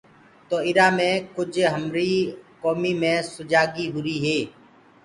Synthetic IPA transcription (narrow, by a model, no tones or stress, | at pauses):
t̪oːɪɾaːmẽːkʊd͡ʒʱɦəmɾiːkoːmiːmẽːsʊd͡ʒaːɡiːɦʊɾiːɦeː